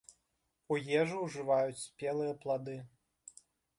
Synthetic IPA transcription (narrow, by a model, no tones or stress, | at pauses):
ujɛʐuwʐɨvajut͡sʲsʲpʲɛlˠɨjɐplˠad̪ɨ